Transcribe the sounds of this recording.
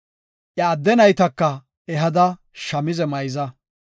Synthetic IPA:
ʔɐːd̪ːɛnɐjt̪ɐkːɐ | ɛɦɐd̪ɐ | ʃɐmɪzɛmɐjzɐ

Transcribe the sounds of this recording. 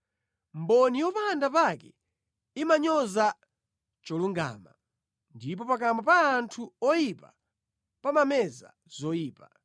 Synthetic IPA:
m̩bɔnijɔpaːndapakɛ | imaɲɔza | t͡ʃɔluŋɡa̰ːma | ndip̬ɔpak̬ambapaːntʰuɔjipa̰ | pamamɛza̰ | z̥ɔjiːpa

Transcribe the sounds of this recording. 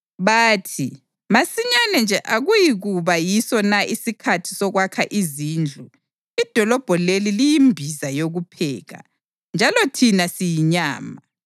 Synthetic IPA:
βaːtʰi | masiɲanɛnd͡ʒʱɛʔaɣujiɣuβajisɔnaʔisikʰatʰi̥sɔɣwakʰaʔiziːnd͡ɮʱu | id̥ʱɔlɔb̥ʱɔlelilijimbʱizajoɣupʰɛːɣa̰ | nd͡ʒʱalɔtʰinasijiɲaːma

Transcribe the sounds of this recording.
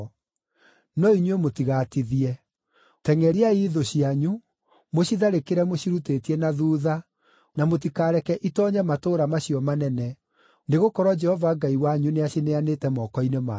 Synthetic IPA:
nɔiɲwemotiɣatiðiɛ | tɛŋɛɾiaiðoɕiaɲu | moɕiðaɾekeɾɛmoɕiɾutetiɛnaðuːða | namot̬ikaːɾɛkɛʔitɔːɲɛmatoːɾamaɕiɔmanɛnɛ | neɣokɔɾwɔd͡ʒɛhɔvaɡaiwaɲuneaɕineanetɛmɔkɔinema

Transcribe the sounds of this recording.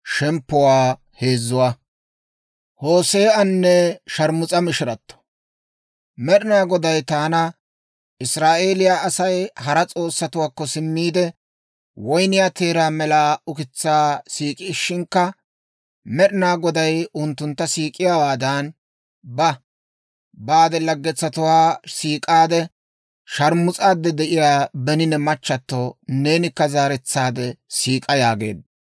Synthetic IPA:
ʃɛmpːʊwaː | he̞ːzːʊwaː | ho̞ːse̞ːʔɐnːɛʃɐɾmʊt͡sʼɐmɪʃɪɾɐt̪ːɔ̥ | mɛɗɪnaːɡɔd̪ɐjt̪aːnɐ | ʔɪsɾaːʔe̞ːlɪjaːʔɐsɐjhɐɾɐt͡sʼo̞ːsːɐt̪ʊwaːkːɔsɪmːiːd̪ɛ | wɔjnɪjaːt̪e̞ːɾaːmɛlaːʔʊkɪt͡sːaːsiːkʼɪɪʃːɪŋkːɐ | mɛɗɪnaːɡɔd̪ɐjʊnt̪ːʊnt̪ːɐsiːkʼɪjawaːd̪ɐn | bɐ | baːd̪ɛlɐɡːɛt͡sːɐt̪ʊwaːsiːkʼaːd̪ɛ | ʃɐɾmʊt͡sʼaːd̪ːɛd̪ɛʔɪjaːbɛnɪnɛmɐt͡ʃːɐt̪ːone̞ːnɪkːɐzaːɾɛt͡sːaːd̪ɛsiːkʼɐjaːɡe̞̰ːd̪ɐ

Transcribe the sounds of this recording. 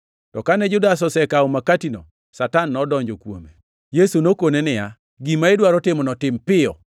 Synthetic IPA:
tɔkanɛd͡ʒʊdas̬ɔsɛkaomakatino̰ | satanːɔdɔɲd͡ʒokwo̰me | jesunokonenɪja | ɡimaedwaɾɔtɪmɔnɔtɪmpɪɔ̰

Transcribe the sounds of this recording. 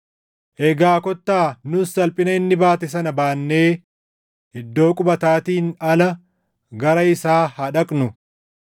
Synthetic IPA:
ʔɛɡaːkɔt̪ːaːnʊsɐlpʼɪnɐɪnːɪbaːt̪ɛs̬ɐnɐbaːnːe̞ː | ɛd̪ːo̞ːkʼʊbɐt̪aːt̪iːnɐlɐ | ɡɐɾɐɪsaːhɐᶑɐkʼnʊ

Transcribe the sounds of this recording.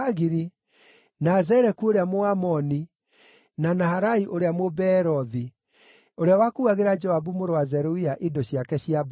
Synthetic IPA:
aɣiɾi | nazɛɾɛkuoɾeamoamɔni | nanahaɾaiʔoɾeamobɛɾɔði | oɾeawakuaɣeɾad͡ʒɔabumoɾowazɛɾoiaʔidoɕjakɛɕjab

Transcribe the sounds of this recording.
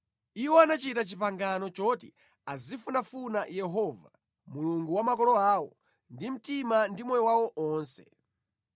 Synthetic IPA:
iwɔanat͡ʃitat͡ʃipaŋɡanɔt͡ʃɔt̬i | azifunafunajɛɦɔva | muluŋɡuwamakɔlɔaːwɔ | ndim̩timandimɔjɔwawɔʔɔːnsɛ̥

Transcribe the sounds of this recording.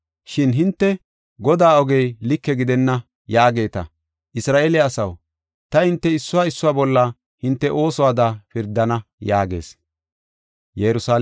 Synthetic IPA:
ʃɪnɦɪnt̪ːɛ | ɡɔd̪aːɔɡɛjlɪkːɛɡɪd̪ɛnːɐ | jaːɡe̞ːt̪ɐ̰ | ʔɪsɾaːʔeːlɪɐsɐw | t̪ɐhɪnt̪ːɛɪsːʊwaːɪsːʊwaːbɔlːɐ | hɪnt̪ːɛʔo̞ːsɔwaːd̪apɪɾd̪ːɐnɐjaːɡe̞̰ːs | jɛɾʊsaː

